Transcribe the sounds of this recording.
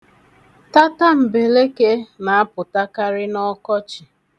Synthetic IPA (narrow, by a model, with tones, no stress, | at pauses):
ta˦ta˦m̩˨be˨le˦ke˦na˨a˦pʊ˨ta˦ka˦ɾɪ˦nɔ˦kɔ˦t͡ʃɪ˨